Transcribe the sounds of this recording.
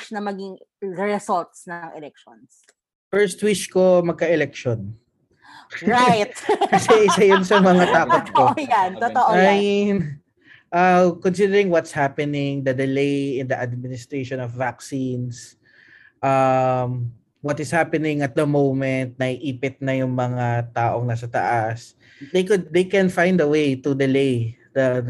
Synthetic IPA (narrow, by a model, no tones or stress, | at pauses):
t͡ʃnɐmɐɡiŋɹɛɛsɔlt̪snɐɐŋɛlɛk̚ʃons | fɛɹst̪̚wɪt͡ʃko̞mɐɡ̚kɐʔɛlɛk̚ʃon | ɹajt̪̚kɐsɛʔɪsɐjʊnsɐmɐŋat̪aːkot̪̚kojant̪ɐt̪ɐʔoɐn | ʔɐkonsid̪ɛɾɪŋwɔt̪shapɛnɪŋd̪ɐd̪ɪlejɪnd̪ɐʔad̪̚mɪnɪst̪ɹeʃõnɔfːaksins | ʔɐm | wɔt̪ɪshapɛnɪŋɐt̪̚d̪ɐmowmɛnt̪̚nɐʔiʔiːpɪt̪̚nɐjʊŋmɐŋat̪aːʔoŋnas̬ɐt̪ɐ̰ʔas | d̪ejkʊd̪ejkɛnfãj̃nd̪ɐwejt̪ud̪ɪlejd̪ɐ